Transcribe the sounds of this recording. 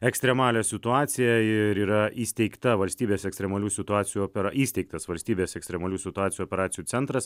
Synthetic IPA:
ɛksʲt̪ɾʲɛmɑːlʲɛːsʲɪt̪ʊɑːt̪sʲɪjɛɪɾiːɾɐʔiːsʲt̪ʲɛɪkt̪ɐʋɐlʲsʲt̪ʲiːbʲeːsɛksʲt̪ʲɾʲɛmɐlʲuːsʲɪt̪ʊɑːt̪sʲɪjuopʲɛɾʔiːst̪ʲɛɪkt̪ɐsʋɐlʲsʲt̪ʲiːbʲeːsɛkst̪ɾʲɛmɐlʲuːsʲɪt̪ʊɑːt̪ʲɪjuɔːpʲɛɾɑːt̪sʲɪjuːt̪ʲɛnt̪ɾɐs

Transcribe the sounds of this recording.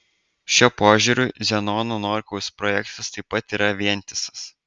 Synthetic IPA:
ʃʲuːpoːʒʲʊɾʲʊzʲɛnoːnonoːɾʲkɔʊspɾɔjɛkt̪ɐst̪ɐɪpːɐt̪iːɾɐʋʲiɛnʲt̪ʲɪsɐ̥s

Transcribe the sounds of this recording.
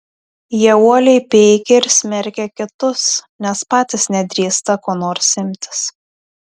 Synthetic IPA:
jiɛuɔlʲɛɪpʲɛɪkʲɛɪɾsʲmʲɛɾʲkʲɛkʲɪt̪ʊsnʲɛspɑːt̪ʲɪsnʲɛd̪ʲɾʲiːst̪ɐkoːnoːɾsʲɪmʲt̪ʲɪ̥s

